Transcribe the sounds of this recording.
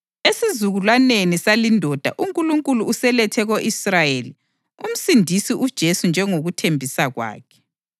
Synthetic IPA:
esizuɣulwanenisalindʱɔd̥ʱa̰ʔuŋkʼuluŋkʼuluːsɛlɛtʰɛɣoʔisrajeli | um̩sindʱisiʔud̥ʒ̥ʱesund͡ʒʱɛŋoɣutʰembʱisaɣwa̰ːkʰɛ̥

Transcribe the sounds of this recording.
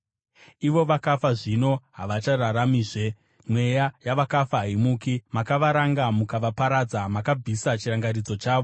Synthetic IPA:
iʋo̞ʋakafaʐino̞ɦaʋat͡ʃararamiːʐe̞ | mwe̞jajaʋakafaɦːimuːkimakaʋaɾaŋɡamukaʋapaɾad͡zamakab͡vʱisat͡ʃiɾaŋɡarid͡zo̞t͡ʃaːʋo̞

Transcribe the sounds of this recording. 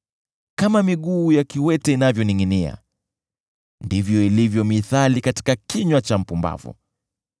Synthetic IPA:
kamamiɠuːjakiwɛtɛinavjɔniŋinia̰ | ndivjɔilivjɔmiθalikati̥kakiɲwat͡ʃam̩pumba̰vṵ

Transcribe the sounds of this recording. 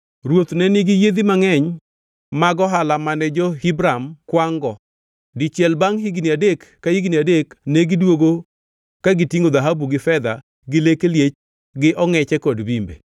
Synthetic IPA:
ɾwot̪nɛnɪɡijed̪imaŋɛɲ | maɡɔɦalamanɛd͡ʒɔhibɾamkwaŋɡɔ | dɪt͡ʃjɛlbaŋɦiɡniadekːahiɡniadekneɡɪdwoɡo | kaɡɪtiŋod̪aɦabuɡɪfɛd̪a | ɡɪlekeljet͡ʃ | ɡɪʔɔŋɛt͡ʃɛkɔdbimbḛ

